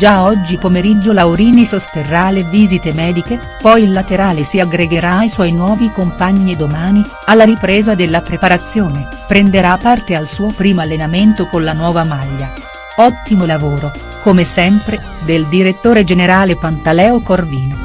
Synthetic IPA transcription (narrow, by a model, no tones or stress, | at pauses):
d͡ʒaɔd͡ʒːipomeɾid͡ʒːolawɾiːnisost̪erːalːeviːzit̪emɛːd̪ike | pɔjilːat̪eɾaːlesiaɡɾeɡeɾaːiswɔjinwɔːvikompaɲːied̪omaːni | alːaɾipɾɛːzad̪elːapɾepaɾat̪sːjoːne | pɾend̪eɾapːart̪ealsuːopɾiːmoalːenament̪okonlanwɔːvamaʎːa | ɔt̪ːimolavoːɾo | komesɛmpɾe | d̪eld̪iɾet̪ːoːɾed͡ʒeneɾaːlepant̪alɛːokorviːno